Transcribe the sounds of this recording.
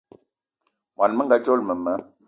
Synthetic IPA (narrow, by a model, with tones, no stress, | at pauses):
mwa˨nmə˦ŋ˦ɡa˦t͡ʃo˦lmə˨mə˨˦